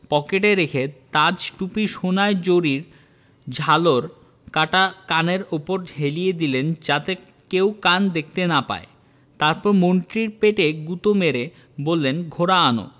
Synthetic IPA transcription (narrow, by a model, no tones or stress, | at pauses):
pɔkeʈeɾekʰet̪ad͡ʑʈupiʃonaed͡ʑoɾiɾ | d͡ʑʱaloɾ | kaʈakaneɾopoɾɦelijed̪ilend͡ʑat̪e | kewkand̪ek̚ʰt̪enapa̰e | t̪aɾpɔɾmoɳʈɾiɾpeʈeɡut̪omeɾe | bolːenɡʱoɾaano̰